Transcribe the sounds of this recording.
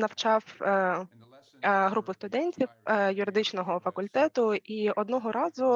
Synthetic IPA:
nɐw̥t͡ʃɑw | ɦɾupʊst̪ʊd̪ɛnʲtʲiwjʊɾɪd̪ɪt͡ʃnɔɦɔfɐkʊlʲt̪ɛt̪ʊʔiɔd̪nɔɦɔɾɑzʊ

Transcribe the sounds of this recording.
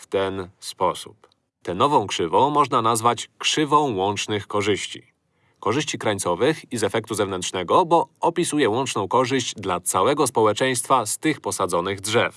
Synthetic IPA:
ft̪ɛnspɔsu̥̰p | t̪ɛnɔvɔ̃w̃kʂɘvɔ̃w̃mɔʐnanazvat͡ɕkʂɘvɔ̃w̃wɔnt͡ʂnɘxkɔʐɘɕt͡ɕḭ | kɔʐɘɕt͡ɕikɾaɲt̪sɔvɘxizɛfɛk̚t̪uzɛvnɛntʂnɛɡɔbɔɔpʲisujɛwɔnt͡ʂnɔ̃w̃kɔʐɘʑd͡ʑd̪lat̪sawɛɡɔspɔwɛt͡ʂɛj̃st̪fast̪ɘxpɔsad̪zɔnɘɣdʐɛf

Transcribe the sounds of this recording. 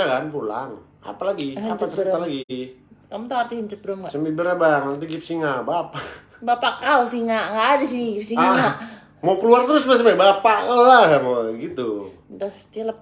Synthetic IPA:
akanpula̰ŋ | a̰palaɡiapaəɾəalaɡikamut̪awart̪ihəɲt͡ʃək̚bɾʊmɡasəmibəɾabaŋnant̪iɡɪp̚siŋaʔbapa | bapaʔkausiŋaʔŋɡadisiniɡip̚siŋaa | mokəluart̪əɾʊsmas̬mabapaʔəaɦmoɡit̪u | dɔst̪iləp

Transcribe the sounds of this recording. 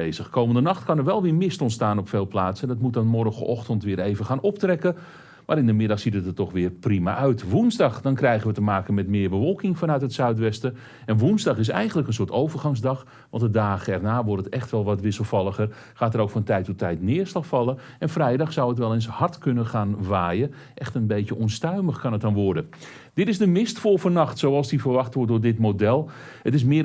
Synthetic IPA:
ejzəxkowməndənɑxtkɑnəɹʋɛlˠʋɪːrmɪstɔntstaːnɔpfeːlˠplaːsəndɑtmut̚dɔnmɔrəxə̰ʔɔxtəntʋɪːɾejvəxaːnɔp̚trɛkə | maːɾɪndəmɪdɑxsitətətɔxʋɪːrprima̰ʔœɥtʋunzdɑxdɑnkrɛjɣənʋətəmaːkənmɛtmɪːrbəʋɔlˠkɪŋfɑnœɥtɦətsœɥtʋɛstə | ɛnʋunzdɑxɪs̬ɛ̰jxəntləkəns̬ʊːtowvərxɑŋzdɑx | ʋɑntədaːɣəɛrnaːʋɔrtətɛxtʋɛlˠʋɔtʋɪsəlˠfɑlˠəxər | χaːtəɾowkfɔntɛjtɔtʰɛjtnɪːərslɑxfɑlˠə | ɛnfrɛjdɑχsawətʋɛlˠenshɑrtkɵnəχaːnʋaːjə | ʔɛxtənbejəʔɔnstœɥməxkɑnət̚dɔnʋɔrdə | dɪtɪzdəmɪstfolˠfɔnɑxtsowɑlˠsdifərʋɑxtʋɔrt̚dʊːɹdɪtmodɛlˠətɪs̬mɪ

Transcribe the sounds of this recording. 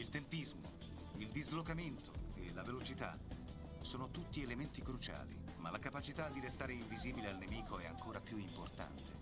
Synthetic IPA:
ilt̪empizmo̰ | ild̪izlokament̪oelavelot͡ʃit̪a̰ | soːnot̪ut̪ːielement̪ikɾut͡ʃa̰ːlḭmalakapat͡ʃit̪ad̪ːiɾest̪aːɾeiɱviziːbilealnemiːkʰoɛa̰ŋkoːɾapjuimport̪a̰nt̪e

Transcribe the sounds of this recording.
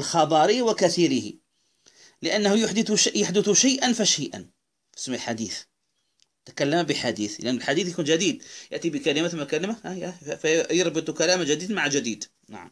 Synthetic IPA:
ʔəlxɑbɑɾiwakæθiɾəhḭ | ləʔænːəhujʊħd̪əθʃjaħd̪əθʊʃajʔənfæʃəjʔə̰n | fə̥smːilħad̪iθ | t̪ə̥kælːəmbəħad̪iθlʔænːəlħad̪iθjakunʒæd̪id̪jəʔt̪ibəkælɪmaθəmːækælɪmahjfæjəɾˤbɨt̪ˤukælæmaʒæd̪iːd̪maʕʒæd̪id̪ | na̰ʕa̰m

